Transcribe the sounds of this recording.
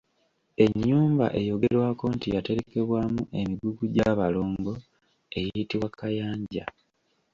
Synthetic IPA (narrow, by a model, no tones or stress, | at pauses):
e̞ɲːuːmba̰ʔe̞jo̞ɡe̞ɾwaːko̞ntijate̞ɾe̞ke̞βwaːmuʔe̞miɡuɡuɟaːβalo̞ːŋɡo̞ | e̞jijitiwakajaːɲɟa̰